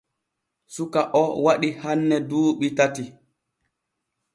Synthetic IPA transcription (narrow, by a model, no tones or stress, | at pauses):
sukaʔɔwaɗihanːɛduːɓitati